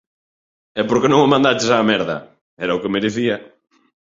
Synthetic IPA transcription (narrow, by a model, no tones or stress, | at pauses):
ɛpoɾkenõŋamãnd̪at͡ʃesaːmɛɾðɐ̰ | ɛɾɐokemeɾeθiɐ